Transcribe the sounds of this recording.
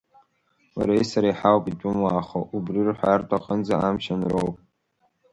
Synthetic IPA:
wa̰ɾejsaɾajħawpʼitʼʊmaːχaʔubrirħʷartʼaqʼənd͡zaamʃanrowpʼ

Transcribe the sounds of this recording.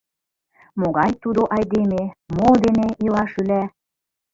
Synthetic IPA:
moɣɑjt̪ud̪oʔɑjd̪ememod̪eneʔilɑʃylæ

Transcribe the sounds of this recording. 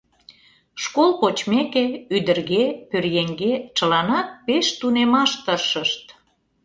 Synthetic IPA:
ʃkolpot͡ɕmekeyd̪ərɣepørjeŋɡet͡ɕə̆lɑnɑt̪̚peʃt̪unemɑʃt̪əʃəʃt̪

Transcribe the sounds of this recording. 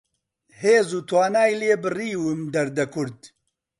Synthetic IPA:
heːzuːt̪ʰwaːnaːjleːbɨriːwɨmd̪ɐɾd̪ɐkʰʊɾd̪

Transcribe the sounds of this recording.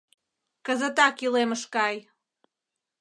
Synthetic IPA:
kəzət̪ɑkileməʃkɑj

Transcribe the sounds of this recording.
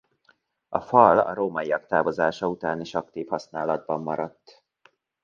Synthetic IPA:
ɒfɒlɒ̰ɾoːmɒijɒkt̪aːvo̞zaːʃɒut̪aːniʃɒk̚t̪iːfhɒsnaːlɒd̪̚bɒmːɒɾɒt̪ː

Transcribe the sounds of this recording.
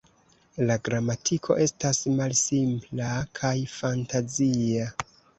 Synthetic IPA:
laɡɾamatʰikʰo̞̰ʔe̞stasmalsimplakʰajfantazia

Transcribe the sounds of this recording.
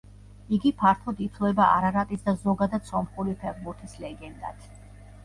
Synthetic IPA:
iɡipʰaɾt̪ʰˠɔd̪it̪ʰlˠɛbaʔa̰ɾaɾat̪ʼisd̪azɔɡad̪ad̪sɔmχuɾipʰɛɾbuɾt̪ʰislɛɡɛnd̪a̰t̪ʰ

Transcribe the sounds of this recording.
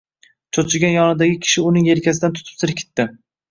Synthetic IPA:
t͡ʃʰot͡ʃʰɪɡʲanjɒnɪd̪aɡʲɪkʲʰɪ̥ʃɪʊnɪŋje̞ɾkʲʰasɪd̪ant̪ʰʊ̥t̪ʰɪ̥sɪɾɪp̚kʲʰɪ̥t̪ːɪ

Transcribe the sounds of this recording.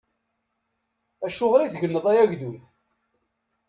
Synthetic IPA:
æʃʊʁɾiθʝənːəðˤæjæʝd̪uθ

